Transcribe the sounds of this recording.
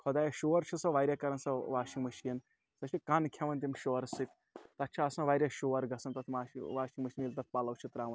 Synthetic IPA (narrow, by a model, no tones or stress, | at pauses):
kʰɐd̪aːjɐʃoːɐɾt͡ʃʰisɐʋaːjɾʲjakɐɾɐnsɐʋaːʃiŋɡmɐʃiɐn | sɐt͡ʃʰikankʰɐʋɐnt̪̬imʃoʋɐɾsɨt̪ʲʰ | t̪ɐt̪ːt͡ʃʰaɐsɐ̃ʋaːiɾʲjaʃoʋɐɾɡɐsɐnt̪ɐt̪ʰʋaːʋaːʃiŋɡmɐʃinilt̪ɐt̪̚ʰpaːlɐwt͡ʃʰit̪ɾaːʋɐn